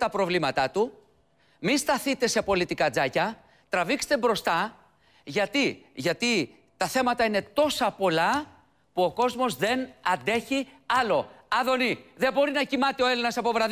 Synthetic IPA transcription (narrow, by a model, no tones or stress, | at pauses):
t̪ɐpɾo̞vlimɐt̪ɐt̪u | mist̪ɐθit̪e̞se̞po̞lit̪ikɐd͡zɐcɐ | t̪ɾɐvikse̥t̪ebɾo̞st̪ɐ | ʝɐt̪iʝɐt̪i | t̪ɐθe̞mɐt̪ɐine̞t̪o̞sɐpo̞lɐ | puo̞ko̞zmo̞zðe̞nɐnd̪e̞çi | ɐlo̞ɐðo̞niðe̞bo̞ɾinɐcimɐt̪eo̞e̞linɐsɐpo̞vɾɐð